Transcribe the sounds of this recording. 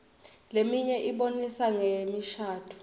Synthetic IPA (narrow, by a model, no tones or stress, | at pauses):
lemiɲɛʔiɓonisaŋemiʃaːtʰu̥